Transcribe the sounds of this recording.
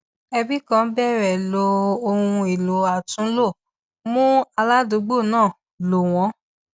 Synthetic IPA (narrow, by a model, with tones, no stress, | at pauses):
ɛ˧bi˦kã˦bɛ˦ɾɛ˨lo˧o˧ũ˧e˨lo˨a˨tũ˨˦lo˦˨ | mũ˦a˧la˦do˨˦ɡ͡bo˦˨nãː˦˨ | lo˨w̃ɔ̃˨˦